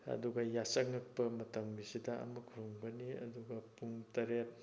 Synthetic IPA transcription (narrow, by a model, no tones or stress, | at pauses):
ɐ̰duɡɐjasɐŋːɐk̚pɐmɐtɐŋbisidɐɐ̰mɐkʰuɾoŋbɐniɐ̰duɡɐpuŋtɐɾet̚